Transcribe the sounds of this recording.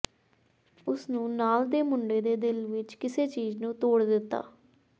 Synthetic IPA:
ʊsnũːnaːld̪eːmʊɳɖeːd̪eːd̪ɪlʋɪt͡ʃkɪseːt͡ʃiːznũːt̪oːɽd̪ɪt̪ːa̰ː

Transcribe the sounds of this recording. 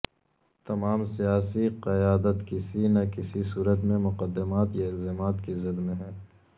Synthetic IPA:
t̪ɐmaːmsijaːsiqɐjaːd̪ət̪kɪsinakɪsisuːɾət̪mẽmʊqəd̪ːɪmaːt̪jaɪlzeːmaːt̪kizɐd̪mẽɦɛː

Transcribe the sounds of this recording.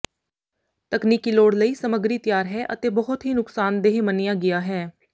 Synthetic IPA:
t̪əkniːkiːloːɽləiːsəməɡɾiːt̪ɪjaːɾɦɛːʔət̪eːbəɦʊt̪ɦiːnʊksaːnd̪eɦẽːmənijaːɡɪjaːɦɛː

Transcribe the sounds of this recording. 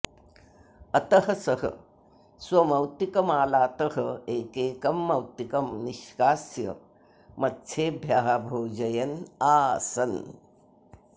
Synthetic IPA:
ɐt̪ɐɦɐsɐɦɐ̰ | swɐmɐwt̪ikɐmaːlaːt̪ɐɦɐeːkeːkɐmːɐwt̪ikɐmniʃkaːsjɐ̰ | mɐtːʃʰeːbʱjaːɦabʱoːd͡ʒɐjɐnaːsɐn

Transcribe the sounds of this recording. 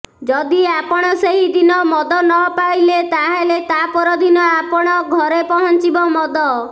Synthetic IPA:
d͡ʒɔd̪iapɔɽ̃ɔseɦid̪inɔmɔd̪ɔnɔpajlet̪aɦelet̪apɔɾɔd̪ʱinɔapɔɽ̃ɔɡʱɔɾepɔɦɔnt͡ʃibɔmɔd̪ɔ

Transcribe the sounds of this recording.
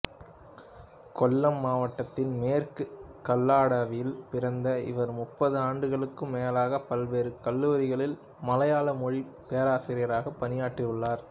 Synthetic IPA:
kɔlːɐmːaːʋɐʈːɐt̪ːɪnmeːrkɯkɐlːaːɽɐʋɪjɪlpɪɾɐnd̪ɐɪ̰ʋɐɾmʊpːɐðɯaːɳɖɯɣɐɭɯkːɯmːeːɐlaːɣɐpɐlʋeːɾɯkɐlːuːɾɪɣɐɭɪl | mɐlɐjaːlɐmɔɻipeɐɾaːsɪɾɪjɐɾaːɣɐpːɐnɪjaːʈːrɪʋɯɭːaːɾ

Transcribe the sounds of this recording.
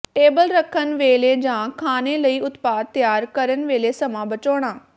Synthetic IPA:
ʈeːbəlɾəkʰːənʋeːleːd͡ʒãːkʰaːneːləiːʊt̪paːd̪̚t̪ːjaːɾkəɾənʋeːleːsəmãːbət͡ʃoːɽ̃ãː

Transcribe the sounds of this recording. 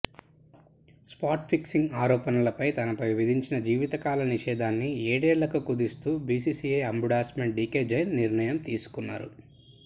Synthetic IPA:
spaːɾʈpʰiksiŋɡaːɾɔːpɐnɐlɐpɐjt̪ɐnɐpɐjʋɐd̪ʱiɲt͡ʃinɐd͡ʒiːʋit̪ɐkaːlɐniʃɛːd̪ʱaːnːieːɽɛːlɐkukud̪ist̪uːbiːsiːsieɐmbuɽaːsmeɳʈɖiːkeːd͡ʒɐjnːiɾɳɐjɐmt̪iːsu̥kunːa̰ːɾṵ

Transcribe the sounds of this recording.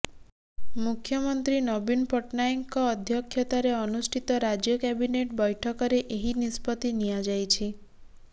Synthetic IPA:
mukʰjɔmɔnt̪ɾinɔbinpɔʈnajiŋkɔːd̪ʱjɔkʰjɔt̪aɾeɔnusʈʰit̪ɔɾad͡ʒjɔkɛbineʈbɔjʈʰɔkɔɾeʔeɦinispɔt̪inijad͡ʒajt͡ʃʰi

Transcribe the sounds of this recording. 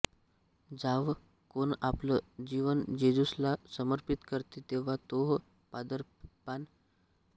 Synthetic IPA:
d͡zaʋ | konapləd͡ʑiʋənd͡ʑed͡zuslasəməɾpit̪kəɾt̪it̪eʋ̤at̪oɦ | pad̪əɾpan

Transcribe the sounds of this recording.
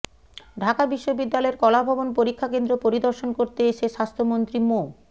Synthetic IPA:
ɖʱakabiʃːobid̪ːalɔeɾkɔlabʱɔbonpoɾikʰːakend̪ɾopoɾid̪oɾʃonkoɾt̪eeʃeʃast̪ʰomont̪ɾimo

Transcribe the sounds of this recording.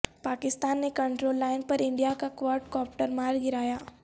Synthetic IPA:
paːkɪst̪aːnːekɐ̃ɳʈɾoːlːaːɪnpɐɾɪ̃ɳɖijakakʋaːɾʈkɔːp̚ʈəɾmaːɾɡɪɾaːjaː

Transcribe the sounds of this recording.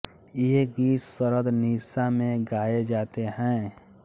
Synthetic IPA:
jeɦɡiːsəɾəd̪niːsamẽɡaːed͡ʒaːt̪eɦɛ̃ː

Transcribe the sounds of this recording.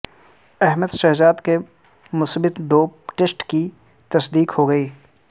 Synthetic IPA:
ɛɦməd̪ʃɐɦzaːd̪ke | mʊsbɪt̪d̪oːʈesʈki | t̪ɐsd̪iːkhoɡɐiː

